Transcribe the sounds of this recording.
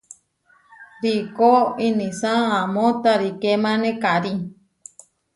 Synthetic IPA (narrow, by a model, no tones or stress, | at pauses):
ɾikoinĩsãːmõt̪aɾikemãnẽkaɾi